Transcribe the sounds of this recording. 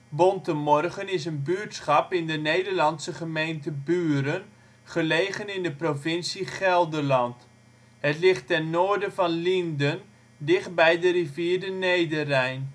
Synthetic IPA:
bɔntəmɔrχənɪs̬ənbyːtsχɑpɪndənejdəɹlɑnsəχəmejntəbyːəɾən | χəleːɣənɪndəprovɪnsiχɛlˠdərlɑnt | ɦətlɪχtːɛnːoːɹdəvɑnlindən | dɪχt̚bɛjdəriviːdənejdərɛjn

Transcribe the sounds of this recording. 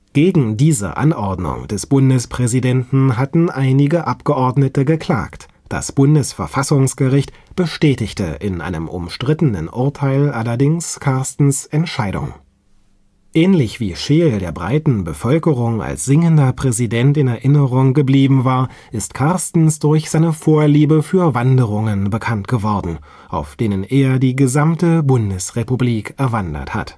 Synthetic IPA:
ɡ̥eːɡŋ̩diːzə̰ʔa̰nʔɔɐdnʊ̰ŋd̥ɛsb̥ʊndəspʁ̥ɛzidɛntn̩ɦatn̩ʔaɪnɪɡəʔapɡ̥əʔɔɐdnətəɡəkl̥a̰ːkt | d̥a̰sb̥ʊndəsfɛɐfasʊŋsɡ̥əʁɪçt | b̥əʃtɛːtɪçtə̰ʔɪ̰nʔa̰ɪnəmʊ̰mʃtʁ̥ɪtənə̰nʔʊɐtʰaɪlʔalɐdɪŋskʰaɐstn̩sɛntʃaɪdʊ̰ŋ | ʔɛːnlɪçv̥iːʃeːldeːɐbʁa̰ɪtn̩bəfœlkəʁʊŋa̰lsz̥ɪŋəndɐpʁ̥ɛzidɛntɪnɛɐʔɪnəʁʊŋɡəbliːbm̩vaːɐ | ʔɪstkʰaɐstn̩sd̥ʊɐçz̥aɪnəfoːɐliːbəfyːɐvandəʁʊŋənbəkʰantɡ̥əvɔɐdn̩ | ʔa̰ʊfd̥eːnəneːɐdiːɡəzamtəbʊndəsʁepubliːkɛɐvandɐ̰tha̰t

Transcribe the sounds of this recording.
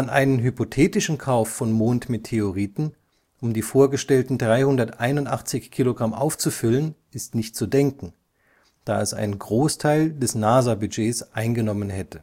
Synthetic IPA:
ʔanʔa̰ɪnənɦypotʰeːtɪʃn̩kʰaʊfːɔnmoːntmetʰeoʁiːtn̩ | ʔʊmdiːfoːɐɡəʃtɛltn̩dʁaɪhʊndɐtʔaɪnʊntʔaχt͡sɪçkʰːiːloɡʁamʔa̰ʊft͡sufʏlənʔɪstnɪçt̚t͡sudɛŋkŋ̩ | d̥aːɛsa̰ɪnnɡʁoːstʰaɪldɛsnaːzabyd͡ʒeːsʔaɪnɡənɔmənhɛtə

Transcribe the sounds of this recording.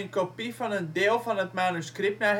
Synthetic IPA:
ənkopifɔnəndɪːəlˠfɑnɦətmanuskrɪp̚tna

